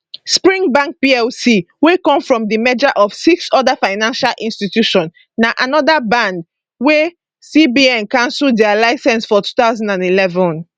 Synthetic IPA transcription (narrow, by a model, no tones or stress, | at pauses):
spɹĩŋbãŋk̚piɛlsi | wekɔ̃mfɹɔ̃mdimɛd͡ʒaʔɔv̥siksɔdafaɪnãnʃalʔĩnstitjuʃɔ̃n | naʔanɔdabãnd | we | sibiɛ̃nkãnsudɛalaɪsɛ̃nsfɔtu̥taʊzãndãnilɛvɔ̃n